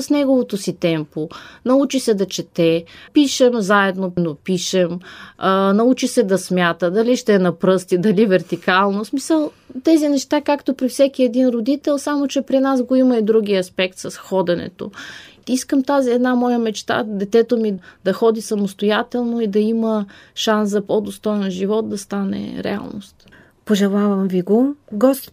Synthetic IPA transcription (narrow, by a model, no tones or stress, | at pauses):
snɛɡovot̪osit̪ɛmponɐut͡ʃisɛd̪ɐt͡ʃɛt̪ɛpiʃɛmzaɛd̪nonopiʃɛm | nɐut͡ʃisɛd̪ɐsmʲjat̪əd̪ɐliʃt̪ɛːnɐpɾɤst̪id̪ɐlivɛɾt̪ikalˠnosmisəlˠ | t̪ɛzinɛʃt̪akakt̪opɾifsʲɛkiɛd̪inɾod̪it̪ɛlˠsamot͡ʃɛpɾinazɡoimɐid̪ɾuɡʲiɐspɛkt̪sɐsxɔd̪ɛnɛ̰t̪o̰iskəmt̪aziɛd̪namɔjəmɛt͡ʃt̪a̰d̪ɛt̪ɛt̪omid̪ɐxɔd̪isɐmost̪ojat̪ɛlˠnoid̪ɐiməʃanszɐpɔd̪ost̪ɔjɛnʒivɔt̪̚d̪ɐst̪anɛ̰ɾɛ̰a̰lˠno̰st̪ | poʒɛlˠavɐmviɡoɡɔst̪